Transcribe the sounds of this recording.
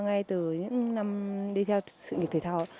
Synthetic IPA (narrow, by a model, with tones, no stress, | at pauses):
ŋa˧jt̪ɨ˨˩ɲɨ̰˧˥ŋna˧mɗi˧t̪ʰɛ˧wsɨ̰˧˨ŋi˨˩t̪ʰe˧˩t̪ʰaː˧˩w